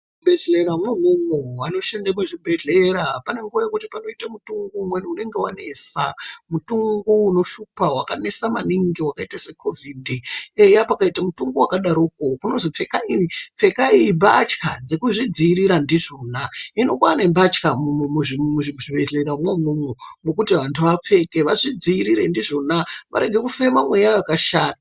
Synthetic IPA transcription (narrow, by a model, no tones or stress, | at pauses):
bʱeɮeɾamwemumoano̞ʃendamuʐibʱe̞ɮeɾapane̞ŋɡuajekutipano̞itamutuŋɡuumweniune̞ŋɡe̞wane̞samutuŋɡuːno̞ʃupawakanesamaniŋɡiwakaitase̞kʰo̞vʱidiejapakaitamutuŋɡowakaɗaɾuːkokunozip͡fe̞kainip͡fe̞kaiimbat͡ʃkad͡ze̞kuʐid͡ziːɾiɾandiʐo̞naino̞kanembat͡ʃkamumemuʐimuʐiʐiʋeɮeɾamwomumomokutiʋantʰuʋap͡fe̞keʋaʐid͡ziːɾiɾe̞ndiʐo̞naʋa̰ɾe̞ɡʱe̞kufe̞mamwe̞jaakaʃaːna